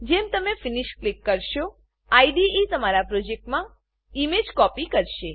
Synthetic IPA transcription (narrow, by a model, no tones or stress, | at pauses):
d͡ʒemt̪əmefiniʃklikːəɾʃo | aiɖiit̪əmaɾapɾod͡ʒek̚ʈmã | imed͡ʒkɔpikəɾʃe